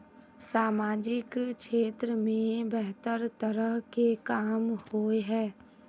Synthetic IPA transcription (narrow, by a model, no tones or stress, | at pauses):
saːmaːd͡ʒɪkʃeːt̪ɾəmẽbɛɦt̪əɾt̪əɾəɦkekaːmhoːeɦɛː